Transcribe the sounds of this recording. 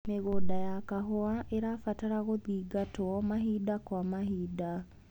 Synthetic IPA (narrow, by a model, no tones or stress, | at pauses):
meɣodajakaɦoaʔeɾafataɾaɣoðiɡatwɔmaɦiːdakwamahiːda